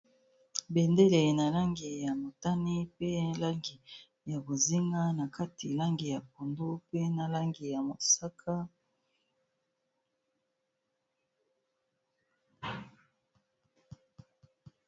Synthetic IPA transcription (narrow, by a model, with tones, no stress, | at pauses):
bɛ˨nde˦le˨na˨la˦ŋɡi˨ja˨mo˨ta˦ni˦pe˦la˦ŋɡi˨ | ja˨bo˨zi˦ŋɡa˦na˨ka˦ti˨la˦ŋɡi˨ja˨p̚o˨ndo˦pe˦na˨la˦ŋɡi˨ja˨mo˨sa˦kʰa˦